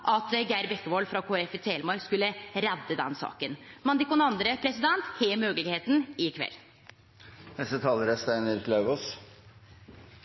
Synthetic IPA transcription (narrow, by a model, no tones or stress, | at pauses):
ʔɑt̪ɡæɪɾbɛkːəʋolfɾɑkʰoːɛfɪt̪ʰeːləmɑɾkskʉlːəɾɛd̪ːəd̪ɛnsɑ̰ːkənmɑnd̪ɪkʊnɑnd̪ɾəpʰɾɛsɪd̪ɛnt̪heːmøːɡəlɪɡheːt̪n̩ɪkʰʋɛ̰lː | nɛsət̪ʰɑːləɾəst̪æɪnəɾlɑʉʋoːs